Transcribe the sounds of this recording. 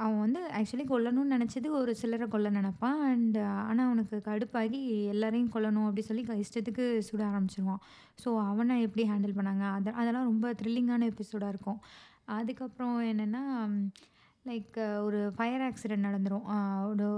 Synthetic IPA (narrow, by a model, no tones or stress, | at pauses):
ɐʋɐ̃ʋɐnd̪ɯæːk̚t͡ʃʊɐlikɔɭːɐnʊ̃nnɪnɛt͡ʃːɐðɯkːɔɾɯsɪlɐɾɐkɔɭːɐnɐnɐpːãːɐɳɖa̰ːnaːɐʋɐnɐkːɯkɐɽɯpːaːɣiɛlːaːɾɐjʊ̃kɔɭːɐnʊ̃ɐp̬ːɐɽɪnsɔlːikɐɪsʈɐt̪ːɯkːɯsuːɽaːɾɐmbɪt͡ʃːɪɾɯʋãː | soːɐʋɐnãːɛpːɐɽiɦaːɳɖɐlpɐɳːaːŋɡɐːðʔɐðɐlãːɾɔmbɐt̪ɾɪlːɪŋɡaːnɐɛpːɪsoːɽaːɪɾɯkːʊ̃ | ɐðɯkːɐpːɯɾɔ̃ɛnːɛnːaː | lɐɪkɔɾɯfɐjɐɾaːksɪɖɛɳʈnɐɽɐnd̪ɯɾʊ̃ɔɾɯ